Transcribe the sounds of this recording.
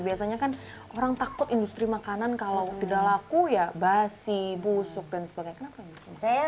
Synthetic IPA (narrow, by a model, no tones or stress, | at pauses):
biasaɲakan | ʔoɾaŋt̪akʊt̪indust̪ɾimakanankalawt̪idaʔlakujabasibusʊk̚dansəbaɡaɲakənapaindust̪isaja